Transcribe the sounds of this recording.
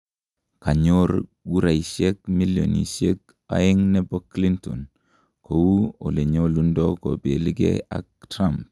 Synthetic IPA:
ka˨ɲoɾɡu˦ɾa˨jʃe˦k̚mi˦ljo̰˨nḭ˨ʃe˦k̚ | a̰˨ji˦ŋne˦bo˦kːli˦nto̰˨n | kʰo˨wu˦o˨le˨ɲo˦lu˦ndo˦ko̰˨be˨li˦ɡḛ˦a̰˨k̚tɾamp̚

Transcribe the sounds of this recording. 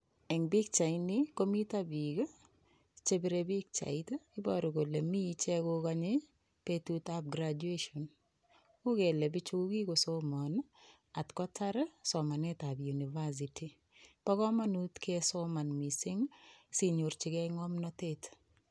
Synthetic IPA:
ɛ˨ŋbi˦k̚t͡ʃa˨ɪniko˦mi˦ta˦bi˨ɡ | t͡ʃe˦bi˦ɾebi˦k̚t͡ʃa̰˨ɪtaɪ˦bɔɾɔ˨ɡo˨le˨mi˦t͡ʃɛ˦ko˦kaɲɪ˦ | petu˦tap̚ɡɾad͡ʒueʃɔ˨n | u˦ke˨le˨bɪ˦t͡ʃu˦ku˦ki˦ko˨somɔn | a˨tkɔ˦ta˦ɾsɔ˨ma˨ne˦ta˨bju˨ni˨va˦s̬i˨ti˨ | pɔ˦kɔ˦ma˦nu˦t̪ke˦sɔma˨nmi˨sɪ˦ŋsi˦ɲo˨ɾt͡ʃɪ˨kɛ˦ŋɔ˦mnɔtet

